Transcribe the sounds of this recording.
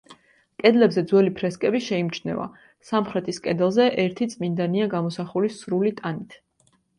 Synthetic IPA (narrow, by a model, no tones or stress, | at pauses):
kʼɛd̪lɛbzɛd̪zwɛlipʰɾɛskʼɛbiʃɛimt͡ʃʰnɛ̰va̰ | samχɾɛt̪ʰiskʼɛd̪ɛlˠzɛʔɛɾt̪ʰit̪sʼmind̪aniaɡamɔsaχulisɾulit̪ʼanit̪ʰ